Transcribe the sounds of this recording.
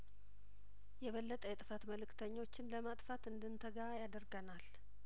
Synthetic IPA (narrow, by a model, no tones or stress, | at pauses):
jɛβəlːət̪ʼəjɛt̪ʼɨfat̪məlɨkːt̪ʰəɲːo̞t͡ʃːɪnləmat̪ʼfat̪ɨnd̪ɨnt̪ʰəɡaajad̪əɾɡənal